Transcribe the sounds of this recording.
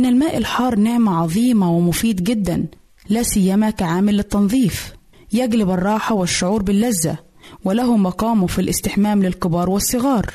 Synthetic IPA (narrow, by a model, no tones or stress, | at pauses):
ʔɪnːɪlmaːʔɪlħɑːɾˤnɪʕmaʕɑðˤiːmɑwɪmʊfiːd̪ɡɪd̪ːan | laːsɪjːamakaʕaːmɪlːɪt̪ːɑnðˤiːf | jæɡlɪbɑrˤːɑːħɑwɪʃːʊʕuːɾbɪlːazːa̰ | wɪlaɦʊmɑqɑːmʊfilʔɪst̪ɪħmaːmlɪlqɨbɑːɾˤwɪsˤːɨɣɑːɾˤ